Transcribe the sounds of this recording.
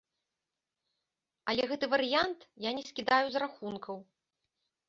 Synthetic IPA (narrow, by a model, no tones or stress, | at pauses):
ɐlʲɛɣɛt̪ɨvɐɾɨjant̪janʲɛsʲkʲid̪ajuzraxunkʰɐw